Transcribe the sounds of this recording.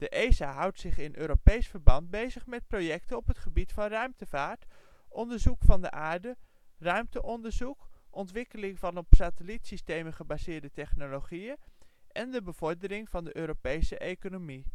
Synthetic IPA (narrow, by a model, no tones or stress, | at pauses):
d̥əʔejzaːɦʌwtsɪχɪnʔøːɾopejsfəɹbɑnt̚bejzəχmɛt̚projɛk̚tənɔpɦətχəbitfɑnrœɥmtəvaːɹt | ʔɔndəɹzukfɑndə̰ʔaːɹdə | rœɥmtəʔɔndəɹzukʔɔntʋɪkəlɪŋvɑnɔpsatəlitsistejməχəbazɪːɹdətɛχnoloχijənʔɛndəbəv̥ɔɹdəɾɪŋv̥ɑndəʔøːɾopejsəʔejkonomi